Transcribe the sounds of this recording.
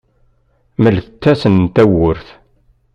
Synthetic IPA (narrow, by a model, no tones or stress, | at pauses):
məlθət͡s̪ːæsənt̪æwʊɾθ